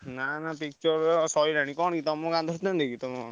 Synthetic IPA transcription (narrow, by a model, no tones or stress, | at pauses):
nanapik̚t͡ʃɔɾsɔjɾañikɔɳɡit̪ɔmɔ̃kãnd̪ʱɔɾt̪ãnd̪ekit̪ɔmɔ